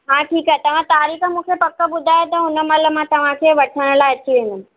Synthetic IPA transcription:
ɦãːʈʰiːkaːɦet̪ɐʋ̤ãt̪aːɾiːkəmũːkʰepɐkːəbʊd̪ʱaːet̪ɐɦʊnə̆mɐləmãt̪ɐʋ̤ãkʰeʋɐʈʰəɽ̃ə̆laːeɐt͡ɕːiʋẽnʊ

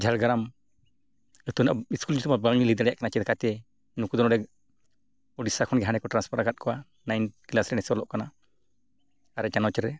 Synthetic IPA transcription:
d͡ʒʱalɡaɾam | ət̪unaʔiskuld͡ʒut̪umabaŋɲilid̪aɾɛjaʔkanat͡ʃɛd̪kat̪ɛ | nukud̪ɔnɔɖɛ | ɔɖisakʰɔnɡɛɦanɛkɔʈɾanspʰɔɾakat̪̚kʰɔwa | najnkilasɾɛnɛsɛɔlɔʔkana | aɾɛt͡ʃanɔt͡ʃɛɾɛ

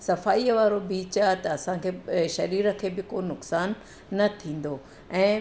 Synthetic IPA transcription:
sɐfaːiːʋaːɾobiːt͡ɕat̪ɐɐsãkʰeːʃɐɾiːɾə̆kʰeːbɪkoːnʊksaːnː | ɐt̪ʰĩːn̆d̪oː | ɛ̃ː

